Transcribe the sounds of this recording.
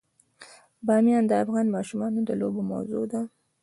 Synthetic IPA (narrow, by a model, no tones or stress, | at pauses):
bɑmjɑnd̪əafɣɑnmɑʃumɑnod̪əloboma̰wzo̰d̪a